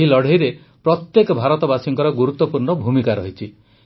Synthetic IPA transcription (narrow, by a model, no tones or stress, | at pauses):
ilɔɽ̤eiɾe | pɾɔt̪jekɔbʱaɾɔt̪ɔbasiŋkɔɾɔɡuɾut̪ːɔpuɾɳɔbʱumikaɾɔɦit͡ʃʰi